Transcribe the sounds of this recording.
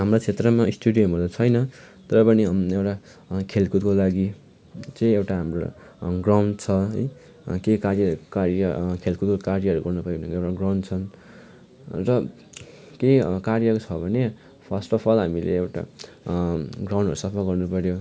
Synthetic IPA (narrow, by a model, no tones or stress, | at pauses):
ɦamrot͡sʰet̪rʌmaisʈuɽijʌmʌlat͡sʰʌjnʌ | t̪ʌɾʌpʌniewʈa | kʰelkut̪̚kolaɡi | t͡sʌj̃ewʈaɦamro̰ | ɡraw̃ɳɖt͡sʰʌɦʌj | kekarjʌkaɾjʌkʰelkut̪̚kokarjʌʌɾuɡʌrnupʌobʱnʌewʈaɡrawɳɖt͡sʰʌn | rʌ | kekarjʌkot͡sʰʌbʱʌne | pʰʌsʈʌpʰʌlɦamilḛewʈa̰ | ɡraw̃ɳɖʌɾusʌpʰʌlɡʌrnupʌɾjo